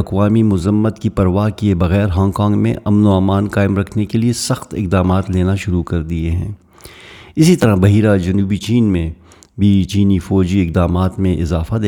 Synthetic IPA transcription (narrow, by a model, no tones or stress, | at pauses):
ɐqʋaːmimʊzəmːət̪kipɐɾʋaːɦkiebɐɣɛːɾɦãːŋkãːŋɡmḛ̃ʔɐmnoaːmaːnkaːɪmɾɐkʰnekeliesɐxt̪ɪ̰q̚d̪aːmaːt̪leːnaʃʊɾukɐɾd̪ieɦɛ̰̃ː | ɪsit̪ɐɾabɐɦiːɾad͡ʒɐnuːbit͡ʃiːnmẽ | bʱit͡ʃiːnifɔːd͡ʒiɪq̚d̪aːmaːt̪mẽʔɪzaːfad̪e